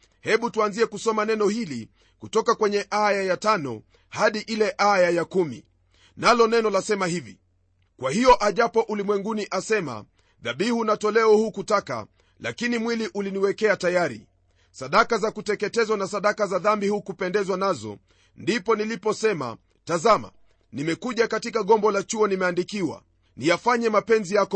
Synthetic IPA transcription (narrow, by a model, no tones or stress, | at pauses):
hɛɓutuanziɛkusɔmanɛnɔhili | kutɔkakwɛɲɛʔajajatanɔ̰ | haɗiʔilɛʔajajakumḭ | nalɔnɛnɔlasɛmahivḭ | kwʔahijɔʔaʄapɔʔulimwɛŋɡuniʔasɛma̰ | ðaɓihunatɔlɛɔhukutaka̰ | la̰kinimwiliʔuliniwɛkɛatajaɾḭ | saɗakazakutɛkɛtɛzwanasaɗakazaðambihukupɛndɛzwanazɔ̰ | ndipɔnilipɔsɛma̰ | tazama̰ | nimɛkuʄakatikaɠɔmbɔlat͡ʃuɔnimɛandikiwa̰ | nijafaɲɛmapɛnzijak